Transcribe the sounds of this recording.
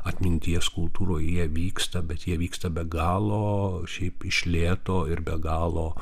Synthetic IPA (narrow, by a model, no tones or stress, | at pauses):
ɐt̪ʲmʲɪnʲt̪ʲiɛskʊlˠt̪uːɾoːjjiɛʋʲiːkst̪ɐbʲɛt̪jiɛʋʲiːkst̪ɐbʲɛɡɑːlˠoːʃʲɛɪpɪʃʲlʲeːt̪oːɪɾbʲɛɡɑːlˠoː